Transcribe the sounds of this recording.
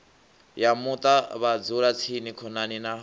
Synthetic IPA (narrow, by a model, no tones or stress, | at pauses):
jamut̪ʼaβad͡zuɾat͡sʰinikʰɔnaninaɦ